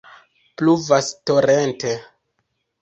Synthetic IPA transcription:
pluvastoɾente

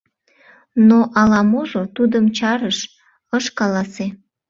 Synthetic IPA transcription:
noʔɑlɑmoʒot̪ud̪əmt͡ɕɑɾəʃ | əʃkɑlɑse

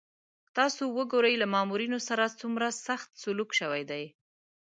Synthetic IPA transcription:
t̪ɑsowəɡoɾəjlamɑmuɾinosaɾat͡sumɾasaxt̪sʊlukʃəwajd̪aj

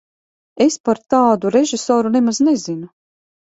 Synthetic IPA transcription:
espaɾt̪aːd̪uɾeʒisɔːɾunemaznezinu

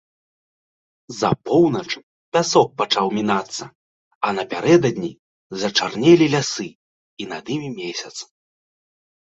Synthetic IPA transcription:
zɐ̰pɔwnɐt͡ʂ | pʲasɔk̚pat͡ʂawmʲinat̪sːɐ | ɐnɐpʲaɾɛd̪ɐd̪ʲnʲi | zɐt͡ʂarnʲɛlʲilʲasɨ | inad̪imʲimʲesʲɐt̪s

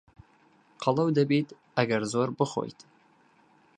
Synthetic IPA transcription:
qʰɑlˠɑwd̪abit̪ | æɡʲæɾzoɾbɨχo̰jt̪

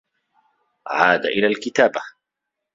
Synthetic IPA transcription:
ʕaːd̪a̰ʔɪlaːlkɪt̪aːba

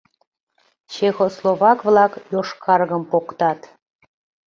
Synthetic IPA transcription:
t͡ɕexoslˠoβɑkvlˠɑkjoʃkʰɑrɣəmpokt̪ɑt̪

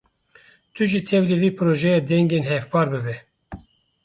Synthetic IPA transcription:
t̪ʰɨʒit̪ʰɛvlɨviːpʰɨɾoːʒɛjɑːd̪ɛŋɡeːnhɛvpɑːɾbɨbɛ

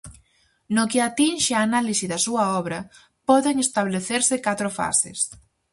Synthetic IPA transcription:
nʊkɪat̪inʃeaːnalisiðɐsuɐɔβɾɐ | pɔðeŋest̪aβleθeɾsɪkat̪ɾʊfa̰sɪ̰s

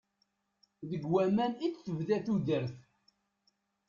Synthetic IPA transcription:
ðəɡwæmænit͡sθəvðæθuðəɾθ

